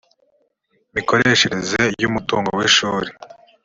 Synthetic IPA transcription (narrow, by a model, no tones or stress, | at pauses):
miko̞ɾe̞ʃeɾezejumutuːŋɡoweʃuːɾe